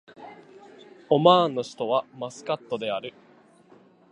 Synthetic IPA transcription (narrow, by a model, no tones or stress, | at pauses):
o̞maːnːo̞ɕi̥t̪o̞βamasɨ̥kat̪ːo̞d̪e̞aɾɯ̟